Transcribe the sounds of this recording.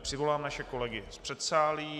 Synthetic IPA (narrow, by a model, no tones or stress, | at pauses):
pr̥ɪvo̞laːmnaʃɛko̞lɛɡɪspr̥ɛt̪saːliː